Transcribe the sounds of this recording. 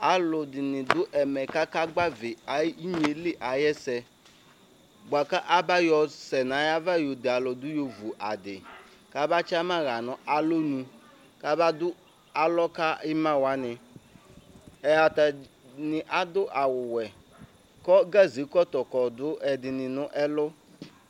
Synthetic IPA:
a˨lʊ˨dɪ˨nɪ̃˨dʊ˦ʔɛ˨mɛ˨ka˦ka˦ɡ͡ba˦vɪ˨a˨˦i˦ɲ˨˦e˨lɪ˦ʔa˨jɛ˦sɛ˨ | ɡ͡ba˨ka˦ʔa˦ba˦jɔ˨sɛ˨nã˨˦ja˦va˦jo˨dɪ˨a˨lɔ˨dʊ˦jo˨vu˨ʔa˨dɪ˨ | ka˦ba˦t͡ʃa˦mã˦ɣa˨nɔ̃˨˦ʔa˨lo˦nũ˨ | ka˦ba˦d̪ʊ˦ | a˨lɔ˦ka˦ɪ˦mã˦wa˦nɪ̃˨ | ɛ˨a˨t̪a˨ | nɪ˨ʔa˦d̪ʊ˦ʔa˨wʊ˨wɛ˨ | kɔ˦ɡa˦zi˨˦kɔ˦t̪ɔ˨kɔ˨d̪ʊ˦ɛ˨dɪ˨nɪ̃˨nʊ̃˦ʔɛ˦lʊ˦

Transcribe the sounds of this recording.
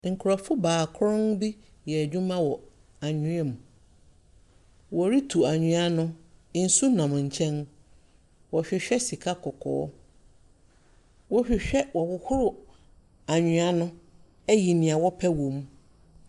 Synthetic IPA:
ŋ̩˨kʰʊ˨ɾɔ˨fʊ˦baː˨kʰɾɔ̃˦nbi˦ | jɛ˨ɲᶣũ˦mã˦wɔ˨ | a˨ɲᶣɪ̃˦ɛ˦mũ˨ | wɔ˨ɾi˦tʰu˨a˨ɲᶣũ˨a˦nʊ̃˦n̩˦su˦nã˨m˨ɲ̩˨t͡ɕʰɛ̃˦n | wɔ˨ɕᶣɪ˨ɕᶣɛ˦si˨kʰa˦kʰɔ˨kʰɔ̰ː˨˦ | wɔ˦ɕᶣɪ˨ɕᶣɛ˦wɔ˨wʊ˦hʊ˦ɾʊ˨ | a˨ɲᶣʊ̃˨a˦nʊ̃˦ | ɛ˦ji˨nĩ˨a˨wɔ˦pʰɛ˦wõ˨m˦

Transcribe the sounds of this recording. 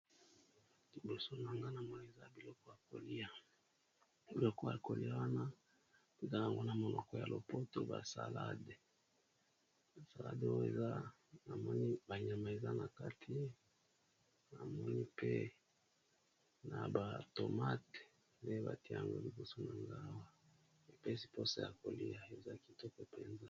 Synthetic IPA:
li˨bo˨so˦na˨ŋɡa˦na˨mo˦˨e˨za˦bi˨lɔ˦kɔ˦ja˨ko̰˨li˦a˦ | bi˨lɔ˦kɔ˦ja̰˨ko˨li˦a˦wa˦na˦ | ki˦za˦˨a˨ŋɡo˦na˨mo˨lɔ˨kɔ˦ja˨lʔo˨po˦to˦ba̰˨sa˨la˦de˨ | a˨sa˨la̰˦de˦o˦ḛ˨za˦ | na˨mɔ˦ni˦ba˨ɲa˨ma˨e˨za˦na˨ka˦tʰi˦ | na˨mɔ˦ni˦pe˦ | na˨ba˨to˨ma˦t | nde˦ba˨ti˦a˦ja˨ŋɡo̰˦li˨bu˦so˦na˨ŋɡa˦wa˨ | e˨pe˦si̥˦po˦sa˦ja̰˨ko˨li˦a˨e˨za˦ki˨tɔ˦ko˦pɛ˦nza˦

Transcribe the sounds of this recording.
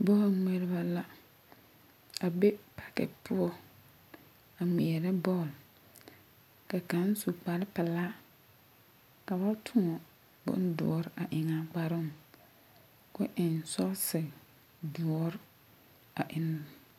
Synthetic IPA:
bɔ˦˨ŋe˨ɾɪ˦ba˦la˦ | a˨be˦pʰa˨kɛ̰˨pʰʊ˦ɔ˦ | a˨mi˨ɛ˨ɾɛ˦bɔ˦˨l | ka˨ka˨˦n˦su˨k͡pa˨ɾɪ˦pa˨laː˦ | ka˨ba˦tʰʊ˦ŋɔ˨ | bʊ̰˦ndʊ̰˨ɔ˨ɾɪ˦ʔa˨ʔɪ˨ŋa˨k͡pa˨ɾɪ˦˨m | kʊ˦ʔɪ˨nsɔ˦sɪ˨ | du˨ɔ˨˦ɾ | a˨ʔɪ˦n˦˨

